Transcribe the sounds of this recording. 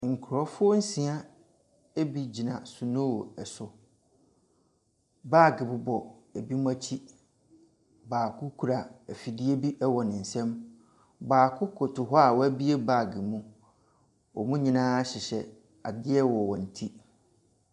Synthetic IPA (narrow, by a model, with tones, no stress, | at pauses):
ŋ̩˨kʰʊ˨ɾɔ˦fʊ˦ɔ˦n̩˦sĩ˨a˦ | e˦bi˨d͡ʑi˨nã̰˨sʊ˨nũ˦˨ɛ˨sʊ˨ | baː˦˨ɡɪ˨bʊ˨bɔ˨e˨bi˦mũ˦a˦t͡ɕʰi˦ | baː˨kʰʊ˦kʰu˨ɾa˨æ˨fi˨dɪ˦e˦bi˦ʔɛ˦wɔ˨nɪ̃˨n̩˨sɛ̃˦m | baː˨kʰʊ˦kʰʊ˨tʰʊ˨ɦɔ˦a˨wɔ˦æ˦bi˦e˦baː˦˨ɡɪ˨mũ˦ | wɔ˨mũ˦ɲĩ˨nãː˦ɕɪ˨ɕɛ˨ | a˨dɪ˦ɛ˦wɔ˨wɔ̃˨n̩˨tʰi˦